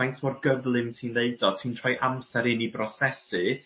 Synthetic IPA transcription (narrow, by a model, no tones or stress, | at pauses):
ajntʰmɔrɡəðlˠɪmtʰiːnleɨdɔtʰiːntʰr̥ɔjʔamsɛɾɪnibrɔsɛsɨ